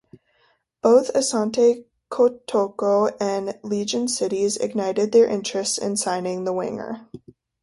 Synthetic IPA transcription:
b̥oʊθɨsɑ̃ntʰeɪ | kʰotʰoʊkoʊɨ̃nlid͡ʒɨ̃nsɪɾizɨ̰ɡ̚naɪɾɨd̪̚ðə˞ʔɪ̃nt͡ʃɹ̥ɨstsɪ̰̃nsãɪ̃nɪ̃ŋðəwɪ̰̃ŋə̰˞

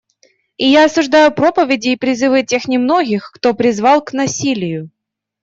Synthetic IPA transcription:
ɪjaɐsʊʐd̪ajʊpɾo̞pəvʲɪdʲɪːpɾʲɪzɨvɨtʲe̞xnʲɪmno̞ɡʲɪxkt̪opɾʲɪzvɑlˠknɐsʲilʲɪjʊ

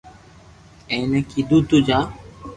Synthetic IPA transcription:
ẽːneːkiːd̪uːt̪uːd͡ʒaː

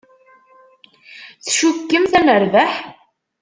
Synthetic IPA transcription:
θʃukːəmθænəɾvæħ

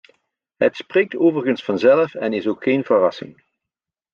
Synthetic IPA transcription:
ɦə̰tspreːk̚toːvərɣənsfɑnzɛləfɛnɪsoːkxeːnvərɑsɪ̰ŋ

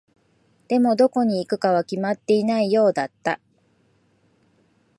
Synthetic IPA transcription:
d̪̥e̞mo̞d̪o̞ko̞ɲ̟iːkɯ̟kaβ̞akʲimat̪ːe̞inaijo̞ːd̪at̪ːa

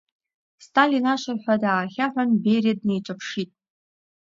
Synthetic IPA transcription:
stʰʼalinaʃʷarħʷadaːχʲaħʷᶣanbejriad̚nejt͡ʃʷʼapʰʂitʼ

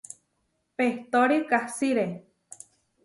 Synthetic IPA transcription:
peht̪oɾikahsiɾe

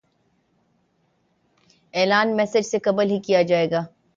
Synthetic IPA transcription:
ɛːlaːnmɛːsɪd͡ʒsekɐbəlɦikijad͡ʒaːeːɡaː

